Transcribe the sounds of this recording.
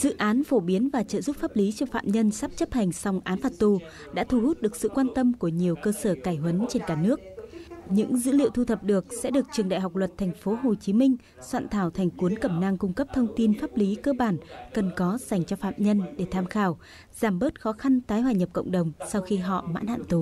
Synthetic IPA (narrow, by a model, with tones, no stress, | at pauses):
z̥ɨ̰˧˨ʔaː˨˦nfo˧˩ɓi˨˦ənvaː˨˩t͡ɕə̰ː˧˨zu˦˥p̚faː˦˥p̚li˨˦t͡ɕɔ˧fa̰ː˧˨mɲə˧nsaː˦˥p̚t͡ɕə˦˥p̚ha˨˩jŋ̟sa˧wŋ͡mʔaː˨˦nfaː˨˩t̚t̪u˧˩ | ɗa̰ː˧˥t̪ʰu˧˩hu˦˥t̚ɗɨ˨˩ək̚sɨ̰˧˨kwaː˧nt̪ə˧mku˧˩əɲi˨˩əwkəː˧səː˧˩kaː˧˩jɦwə˨˦nt͡ɕe˧nkaː˧˩nɨ˦˥ək̚ɲɨ̰˧˥ŋzɨ̰˧˥lḭ˧˨əwt̪ʰu˧t̪ʰə˨˩p̚ɗɨ˨˩ək̚sɛ̰˧˥ɗɨ˨˩ək̚t͡ɕɨ˨˩əŋɗa̰ː˧˨jɦa˨˩wk͡p̚lwə˨˩t̚t̪ʰɛ˨˩jŋ̟fo˨˦ɦo˨˩t͡ɕi˨˦mï˧ŋ̟ | swa̰ː˧˨nt̪ʰaː˧˩wt̪ʰɛ˨˩ŋ̟ku˨˦ənkə˧˩mna˧ŋkʊ˧ŋ͡mkə˦˥p̚t̪ʰə˧wŋ͡mt̪i˧nfaː˦˥p̚li˨˦kəː˧ɓaː˧˩nkə˨˩nkɔ˨˦z̥a˨˩jŋ̟t͡ɕɔ˧fa̰ː˧˨mɲə˧nɗe˧˩t̪ʰaː˧mxaː˧˩w | z̥aː˧˩mɓəː˦˥t̚xɔ˨˦xa˧nt̪aː˨˦jhwaː˧˩ɲə˨˩p̚kə̰˧˨wŋ͡mɗə˨˩wŋ͡msa˧wxi˧ɦɔ̰˧˨ma̰ː˧˥nha̰ː˧˨nt̪u˨˩